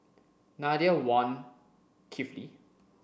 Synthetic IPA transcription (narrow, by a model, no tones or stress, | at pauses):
nadiawɔ̃n | kʰiflḭ